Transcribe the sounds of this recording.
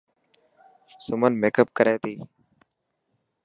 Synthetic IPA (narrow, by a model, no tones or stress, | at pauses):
sʊmənmeːkəp̚kəɾeːt̪iː